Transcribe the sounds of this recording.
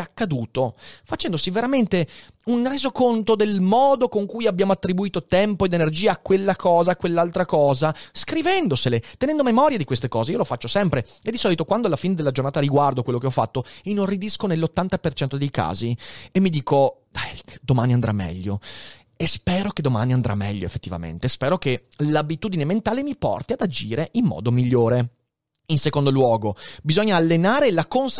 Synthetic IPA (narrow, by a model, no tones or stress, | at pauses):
akːad̪uːt̪ofat͡ʃɛnd̪osiveɾament̪e | unreːzokont̪od̪elmɔːd̪okoŋkujabːjaːmoat̪ːɾibuiːt̪ot̪ɛmpoed̪enerd͡ʒiːaːkwelːakɔːzaːkwelːalt̪ɾakɔːzaskɾivɛnd̪oselet̪enɛnd̪omemɔɾjad̪ikwest̪ekɔːzeiːolofat͡ʃːosɛmpɾeed̪ːisɔːlit̪okwand̪oalːafiːned̪elːad͡ʒornaːt̪aɾiɡward̪okwelːokeɔfːa̰t̪ːoinonrid̪iskonelːot̪ːant̪apert͡ʃɛnt̪od̪ejka̰ːziemːid̪iːkod̪ɛɾikd̪omaːniand̪ɾa̰mːɛ̰ʎːo | espɛːɾoked̪oma̰ːniand̪ɾʔa̰mːɛ̰ʎːoḛfːe̥t̪ːiva̰mḛnt̪espɛːɾokelabit̪uːd̪inement̪aːlemipɔ̰rt̪iad̪ad͡ʒiːɾeʔimːɔ̰ːd̪omiʎːoːɾe | insekond̪olwɔːɡobizoɲːaːlːenaːɾelakons